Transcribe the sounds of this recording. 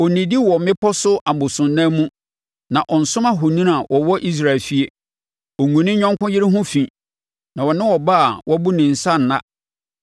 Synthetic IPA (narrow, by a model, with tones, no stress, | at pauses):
ɔ˨nĩ˨di˦wɔ˨mɪ̃˦pʰɔ˦sʊ˦ʔa˨bʊ˨sʊ̃˨n̩ː˦ã˦mũ˦ | nã˨ʔɔ˨n̩˨sʊ̃˦ma˦ɦʊ˨nũ˦n˦a˨wʔɔ˨wɔ˦ʔi˦s̬ɾa˦˨ɛ˨lfi˦e˦ | ɔ˨ŋũ˨nɪ̃˦ɲᶣɔ̃˦ŋkʊ̃˦jɪ˦ɾɪ˦ɦʊ̃˦fĩ˨ | nã˨wɔ˨nɪ̃˦wɔ˨ba˦a˨wʔɔ˦bu˦nɪ̃˨n̩˨sa˦n˨nã̰˦